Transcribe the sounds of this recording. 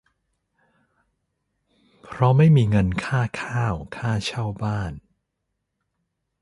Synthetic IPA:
pʰɾɔ˦˥ma˥˩jmiː˧ŋɤ˧nkʰaː˥˩kʰaː˥˩wkʰaː˥˩t͡ɕʰa˥˩wbaː˥˩n

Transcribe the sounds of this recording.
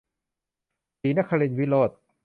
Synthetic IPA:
siː˨˦na˦˥˩kʰːa˧li˧nwi˦˥loː˥˩t̪̚

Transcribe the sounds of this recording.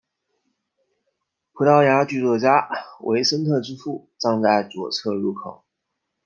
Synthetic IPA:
pʰu˧˥t̪ɑ˥˩ʊja˧˥t͡ɕy˥˧t͡swɔ˥˩t͡ɕja˥wʔḛ˧˥ɪʂə˥nt̪ʰɤ˥˩ʈ͡ʂɻ̩˥fu˥˩ʈ͡ʂɑ˥˧ŋt͡sa˥˩ɪt͡swɔ̰˨˩t͡sʰɤ˥˧ɻu˥˩kʰo̰˨˩˦

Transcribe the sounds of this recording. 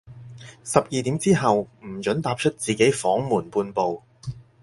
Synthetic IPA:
sɐ˨p̚jiː˨t̪iː˨˥mt͡siː˥ɦɐ˨wm̩˨˩t͡ʃɵ˨˥nt̪aː˧p̚t͡ʃʰɵ˥t̚t͡siː˨˩ke˨˥jfɔː˨˥ŋmuː˨˩npuː˧npo˨w

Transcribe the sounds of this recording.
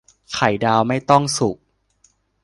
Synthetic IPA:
kʰa˨˩˦jdaː˧wma˥˩jt̪ɔ˥˩ŋsu˨˩k̚

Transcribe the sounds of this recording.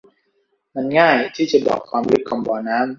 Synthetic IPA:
ma˧nŋaː˥˩jt̪ʰiː˥˩t͡ɕa˨˩bɔ̰ː˨˩kʰːwaː˧mlɯ˦˥kʰːɔ˧mbɔː˧naː˦˥m

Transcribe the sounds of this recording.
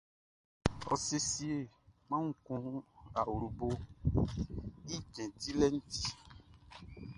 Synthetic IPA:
ɔ̰˨se˨si˨e˨ | mã˦ŋu˦kɔ̃˦a˨wu˨ɾu˨bo˦ | i˦d͡ʒɛ̃˨ti˦lɛ˦n̩˦ti̥˦

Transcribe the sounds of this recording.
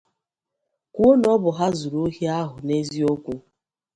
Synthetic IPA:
ku˦o˦nɔ˦bʊ˨ɦa˦zu˨ɾo˦ɦi˦a˦ɦʊ˨ne˦zi˦o˦kʷu˦

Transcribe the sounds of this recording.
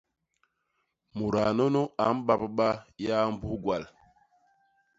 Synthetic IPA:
mu˨ɾa˨no˦no˦a˨˦m̩˦ɓa˦˨pɓa˦ja˦m̩˦bu˦ɡwa˨l

